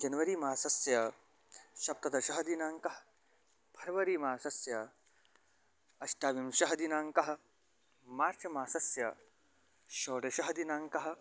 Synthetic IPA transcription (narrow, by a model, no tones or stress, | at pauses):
d͡ʒɐnʋɐɾiːmaːsɐsjɐ | ʃɐp̚t̪ɐd̪ɐʃɐɦɐd̪inaːŋkɐɦɐ̥ | pʰɐɾɐʋɐɾiːmaːsɐsjɐ | ɐʃt̪jaːʋimʃɐɦɐd̪inaːŋkɐɦɐ̆ | maːɾt͡ʃɐmaːsɐsjɐ | ʃoːɽeʃɐɦɐd̪inaːŋkɐɦɐ̆